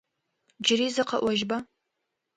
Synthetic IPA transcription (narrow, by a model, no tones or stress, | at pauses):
d͡ʒɪɾiːzɐqɐʔʷɔʒba